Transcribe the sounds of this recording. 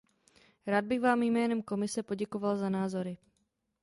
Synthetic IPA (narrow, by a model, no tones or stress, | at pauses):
ɾaːd̪̚bɪɣvaːmjmɛːnɛmko̞mɪsɛpo̞ɟɛko̞valzanaːzo̞ɾɪ